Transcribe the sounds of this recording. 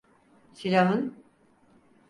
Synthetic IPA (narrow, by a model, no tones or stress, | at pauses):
silʲaɦɯn